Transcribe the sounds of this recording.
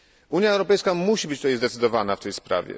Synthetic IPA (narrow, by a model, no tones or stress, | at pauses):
uɲjaɛwɾɔpɛjskamuɕibɘt͡ɕt̪ut̪ajzd̪ɛt̪sɘd̪ɔvanaft̪ɛjspɾa̰vʲɛ̰